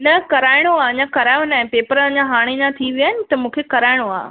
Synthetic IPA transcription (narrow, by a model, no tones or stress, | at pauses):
nɐkɐɾaːɪɽ̃oaːɲãkɐɾaːjõnaːɦɪ̃peːpəɾəə̃ɲãɦaːɽ̃ed͡ʑãt̪ʰiʋijaːɪnɪ̆t̪ɐmũːkʰekɐɾaːɪɽ̃oa̰ː